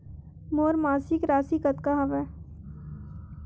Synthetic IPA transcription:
moːɾmaːsikɾaːsikɐt̪kaɦɐʋɛː

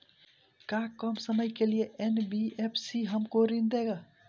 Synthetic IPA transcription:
kakəmsəməjkelijeʔenbiepʰsiɦəmkoɾind̪eɡa

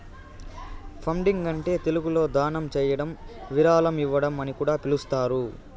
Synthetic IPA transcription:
pʰɐmɖiŋɡɐɳʈe̞ːt̪eluɡulo̞ːd̪aːɳɐmt͡ʃɛːjɐɽɐmʋiɾaːlɐmiʋːɐɽɐmɐnikuːɽaːpilust̪aːɾu

